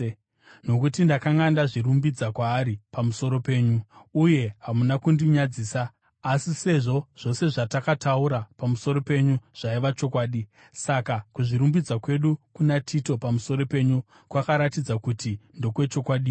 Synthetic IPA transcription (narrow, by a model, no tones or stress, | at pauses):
no̞kutindakaŋɡandaʐiɾumbid͡zakwaːɾipamuso̞ɾo̞pe̞ːɲuuje̞ɦamunakundiɲad͡ziːsaː | sise̞ʐo̞ʐ̥o̞se̞ʐatakatauɾapamuso̞ɾo̞pe̞ɲuʐ̥aiʋat͡ʃo̞kwaːɗi | sakakuʐiɾumbid͡zakwe̞ɗukunatʰito̞pamuso̞ɾo̞pe̞ɲu | kwakaɾatid͡zakutindo̞kwe̞t͡ʃo̞kwaɗi